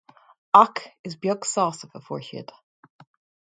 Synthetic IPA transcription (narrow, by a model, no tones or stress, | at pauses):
ɑkɪzbjʌɡ̥sɔsəvəfɔ̰ɹʃɪ̰d̥